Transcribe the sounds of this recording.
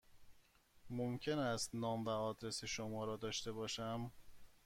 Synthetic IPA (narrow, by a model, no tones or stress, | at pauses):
momcʰe̞næst̪nɒːmvæɒːd̪ɾe̞seʃomɒːɾɒːd̪ɒːʃt̪e̞bɒːʃæm